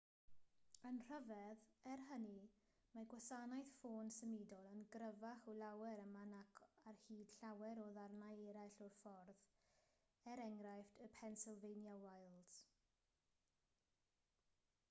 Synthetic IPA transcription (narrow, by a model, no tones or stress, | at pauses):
ənr̥əvɛðɛrɦəni | maɡwasanajθfoːnsəmɪdɔlˠənɡɾəvaχɔlawɛɾəmanakʰarhiːd̥ɬawɛɾɔðarnajɛɾajɬɔrfɔrð | ɛɾɛŋɾajftʰəpʰɛnsɪlˠvejnjawajlˠd